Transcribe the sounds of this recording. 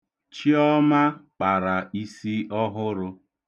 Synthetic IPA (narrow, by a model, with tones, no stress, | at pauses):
t͡ʃi˦ɔ˦ma˦k͡pa˨ɾa˨i˦si˦ɔ˦ɦʊ˦ɾʊ˦